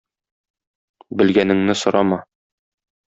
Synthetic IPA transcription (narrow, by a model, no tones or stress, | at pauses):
bɘ̆lɡænɘ̆ŋnɘsŏɾɑmɑ